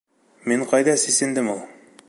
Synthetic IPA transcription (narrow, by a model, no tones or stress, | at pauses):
miɴqɑjðɑsisɘ̆nd̪ɘmulˠ